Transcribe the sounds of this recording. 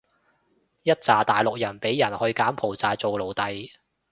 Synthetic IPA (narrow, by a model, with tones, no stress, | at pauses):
jɐ˥t̚t͡saː˨t̪aː˨jlʊ˨k̚jɐ˨˩npe˨˥jjɐ˨˩nhɵ˧ɥkaː˨˥mpʰo˨˩wt͡saː˨˧jt͡so˨wlo˨˩wt̪ɐ˨j